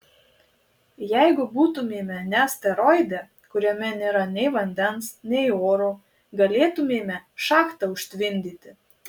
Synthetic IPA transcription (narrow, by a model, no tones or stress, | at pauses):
jɛɪɡʊbuːt̪ʊmʲeːmʲɛnʲæsʲt̪ʲɛɾɔɪd̪ʲɛ | kʊɾʲɛmʲɛnʲeːɾɐnʲɛɪʋɐnʲd̪ʲɛnsnʲɛɪoːɾu | ɡɐlʲeːt̪ʊmʲeːmʲɛʃɑːkt̪ɐʊʃʲt̪ʲʋʲɪnʲd̪ʲiːt̪ʲɪ